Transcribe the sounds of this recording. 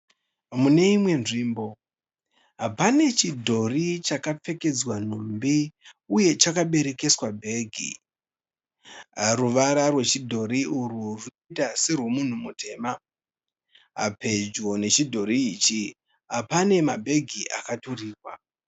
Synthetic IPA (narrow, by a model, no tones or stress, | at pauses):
mune̞imwe̞nʐiːmbo̞ | ɦapane̞t͡ʃidʱo̞rit͡ʃakap͡fe̞ke̞d͡zwan̤umbiuje̞t͡ʃakaɓe̞ɾe̞ke̞swabʱe̞ːɡʱḭ | ruʋaɾarwe̞t͡ʃidʱo̞ɾiururuitaserwo̞mun̤umutʰe̞ːma | ɦa̰pe̞d͡ʒo̞ne̞t͡ʃidʱo̞ɾiːt͡ʃi | ɦapane̞mabʱe̞ɡʱiʔakatoriːrwa